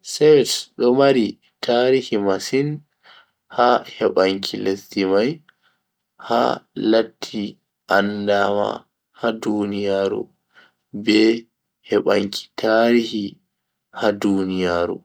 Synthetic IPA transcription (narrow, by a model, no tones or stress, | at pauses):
sɛwɛsɗɔmaɾi | tʰaːɾihimasin | hahɛɓaŋkʰilestimaj | ha̰latʰːi | ʔandama̰ | hadunijaːɾṵ | bɛ | hɛɓaŋkʰi̥tʰaɾihi | hadunijaɾṵ